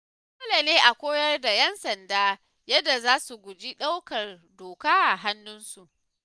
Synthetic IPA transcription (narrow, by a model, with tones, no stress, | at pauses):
ʊ˦la˨neː˦ʔa˨kʷoː˦jɐ˦rda˨jɛ˦nsɐ˨ndaː˦ | jɐ˦dːa˨zaː˦su˨ɡʷʊ˨d͡ʒi˦ɗa˦wkɐ˨rdoː˨kaː˦ʔa˨ɦa˦nːʊ˦nsu˨ʔ